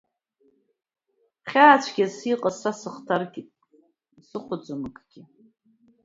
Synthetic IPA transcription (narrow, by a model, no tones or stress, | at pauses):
χʲaːt͡ɕʷʰɡʲasiqʼasasɨχtʰarɡʲitʼ | sɨχʷʊd͡zʷɨmɨkʰʼɡ̥ʲɪ